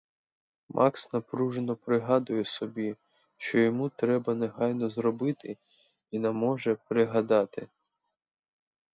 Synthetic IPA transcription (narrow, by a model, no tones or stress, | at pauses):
mʔɑksnɐpɾuʒenɔpɾɪɦɑd̪ʊjɛsɔbʲi | ʃt͡ʃɔjɔmut̪ɾɛbɐneɦɑjnɔzɾɔbɪt̪ɪ | inɐmɔʒɛpɾɪɦɐd̪ɑt̪ɪ